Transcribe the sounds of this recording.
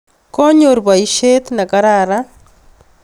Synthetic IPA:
koɲoɾβwaiʃet̪nakaɾaɾa

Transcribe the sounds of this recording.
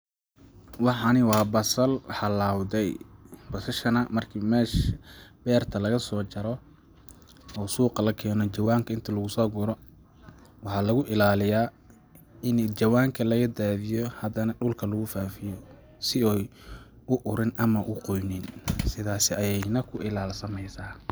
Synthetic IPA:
wɑħɑnɪwɑːbɐsɐlħɑlaːwðɛjb̥ɔsɐʃɐnɐmɐrkʰiːmɛːʃb̥ɛːrt̪ʰɐlɐɣɐsɔːt͡ʃɐɾɔ | ɔːsuːqɑlɐkʰɛːnɔt͡ʃɐwaːŋkʰɐɪnt̪ʰɐlɐɣʊsɔːɡʊɾɔ | wɑħɑːlɐɣʊʔɪlaːlɪjaː | ɪnd͡ʒɐwaːŋkʰɐlɐɣɐd̪aːðɪjɔhɐd̪ɐnɐɖʊlkʰɐlʊɣʊfaːfɪjɔ | sɪɔj | ʊʔʊɾɪnɐmɐʔʊqɔjnɪnsɪðaːsɪɐjɛjnɐkʰʊʔɪlaːlsɐmɛjsaː

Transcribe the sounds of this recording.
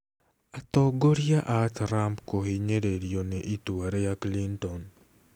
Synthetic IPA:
at̪ɔɡoɾijaʔatɾampkohiɲeɾeɾjonɛʔituaɾejaklintɔn

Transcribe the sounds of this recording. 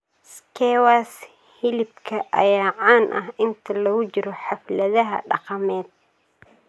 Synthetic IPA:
skʰɛwas | hɪlɪb̚kʰɐʔɐ̰jaːʕaːnʔɐ̰ɦɪnt̪ʰɐlɐɣʊd͡ʒɪɾɔħɑflɐðɐɦɐ̰ɖɑqɑmɛːd̪̥̚

